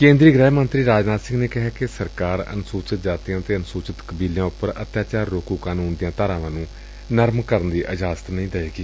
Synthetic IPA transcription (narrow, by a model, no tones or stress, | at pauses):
kẽːnd̪ɾiːɡɾɛːmənt̪ɾiːɾaːd͡ʒnaːt̪sɪ̃ŋɡneːkɪɦɛːkɪsəɾkaːɾə̰nsuːt͡ʃət̪̚d͡ʒaːt̪ijãːt̪eːənsuːt͡ʃət̪kəbiːljãːʊpəɾət̪ʰjaːt͡ʃaːɾːoːkuːkaːnuːnd̪ɪjãːt̪aːɾãːʋãːnũː | nəɾmkəɾənd̪iːʔəd͡ʒaːsət̪nəĩːd̪əeːɡiː